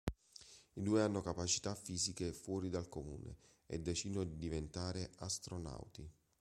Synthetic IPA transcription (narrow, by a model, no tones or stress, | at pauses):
id̪uːeanːokapat͡ʃi̥t̪afːiːzikefwɔːɾid̪alkomṵːnḛ | ɛ̰d̪ːet͡ʃid̪nod̪id̪ivent̪aːɾeast̪ɾona̰wt̪i